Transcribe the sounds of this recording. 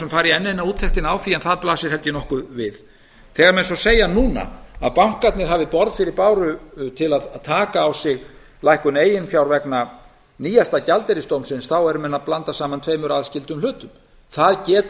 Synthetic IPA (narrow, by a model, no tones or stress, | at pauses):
sɛmfaːjɾɪɛnːɛnauːt̪ʰːɛht̪ɪnaːwfiːɛnθaðplaːsɪɾ̥hɛlt̪jɪnɔhkʏvɪð | θɛːɣaɾmɛðsɔseːjanuːna̰a̰ðpawŋ̥kat̪nɪɾ̥ɦaːvɪpɔɾðfɪɾɪɾpaːwɾʏt̪ʰɪlaðt̪ʰaːkaːwsɪɣ | lajhkʏneːjɪnfjawɾvɛkna | niːjast̪acalt̪ɛɾɪst̪owmsɪnsθawɛɾʏmɛnːaðplant̪asaːmant̪ʰveːjmʏɾaðscɪlt̪ʏmlʏːt̪ʏm | θaðcɛːt̪